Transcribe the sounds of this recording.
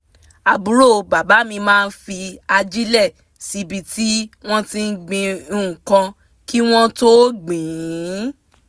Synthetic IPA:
a˨bu˨˦ɾo˦˨˧ba˨ba˨˦mĩ˧mãː˦˧n̩˦fi˧a˧d͡ʒi˦lɛ˦˨ | si˨˧˦bi˧ti˦w̃ɔ̃˦tĩ˧n̩˦ɡ͡bĩ˧˨kã˧ | ki˦w̃ɔ̃˦to˦ɡ͡bĩ˨˦

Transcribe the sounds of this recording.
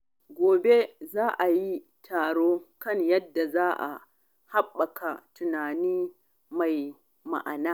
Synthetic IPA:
ɡʷoː˨be˦zaː˦ʔa˨ji˦ | tʰaː˨ɽoː˦kɐ˦˨ɲjɐ˦dːa˨zaː˦ʔa̰˨ | ha˦ɓːɐ˨kʰa˨tʊ˨naː˨niː˦ | ma˨j | ma̰˨ʔa̰˨naː˦

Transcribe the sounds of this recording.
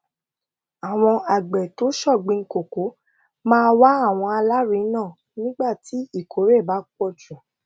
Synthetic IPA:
a˨w̃ɔ̃˧a˨ɡ͡bɛ˨to˨˦ʃɔ˦˨ɡ͡bĩ˧ŋ̩˦ko˨ko˨˦ | mãː˦wa˦a˦˨w̃ɔ̃˧a˧la˦ɾi˨˦nãː˦˨ | nĩ˦ɡ͡ba˦˨ti˨˦i˦˨kʰo˨˦ɾe˦˨ba˨˦k͡pɔ˦˨d͡ʒũ˨

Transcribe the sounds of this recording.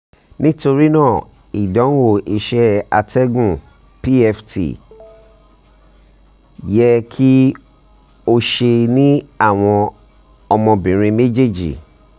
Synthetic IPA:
nĩ˦to˧ɾi˦nãː˦˨ | i˨dɔ̃˨˦wo˦˨ʔi˧ʃɛ˦a˧tɛ˦ɡũ˦˨ | pi˦ɛ˧ftḭ˨ | jɛ˦kʰi˦ | o˧ʃe˧nĩ˦a˦˨w̃ɔ̃˧ | ɔ˧mɔ̃˧bĩ˨ɾ̃ĩ˧me˦d͡ʒe˦˨d͡ʒḭ˨

